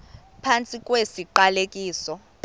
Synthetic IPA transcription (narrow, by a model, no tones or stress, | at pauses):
pʰant͡sʼikʼwesiǃalekʼiːsɔ